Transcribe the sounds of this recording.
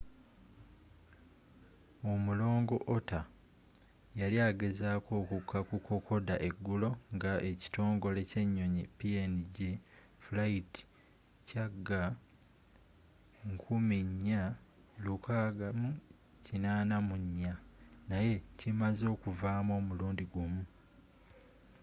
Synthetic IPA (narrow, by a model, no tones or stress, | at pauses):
o̞mulo̞ːŋɡo̞ʔota | jaliaːɡe̞zaːko̞ːkukʰːakukʰo̞kʰo̞daʔe̞ɡːulo̞ŋɡaʔe̞ci̥to̞ːŋɡo̞le̞ce̞ɲːo̞ɲipieniɟe | fulaiti̥ | caɡːa | ŋkʰumiɲːa | lukaːɡamu | cinaːnamuɲːanaje̞cimazo̞ːkuvaːmo̞ːmuluːndiɡumu